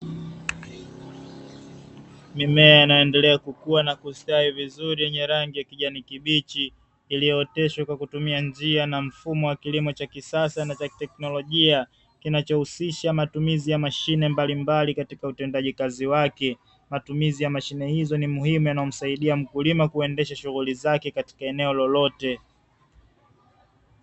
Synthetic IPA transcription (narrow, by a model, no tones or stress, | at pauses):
mimɛaanajɔɛndɛlɛakukuanakustaivizuɾijɛɲɛɾaŋɡijakiʄanikiɓit͡ʃiː | lijɔɛtɛʃwakwakutumiand͡ʒianam̩fumɔwakilimɔt͡ʃakisasanat͡ʃatɛknɔlɔʄia | kinat͡ʃɔhusiʃamatumizijamaʃinɛmbalimbalikatikautɛndaʄikaziwakɛ | matumizijamaʃinɛhizɔnimuhimujanaɔm̩saiɗiam̩kulimakuɛndɛʃaʃuɣulizakɛkati̥kaɛnɛɔlɔlɔtɛ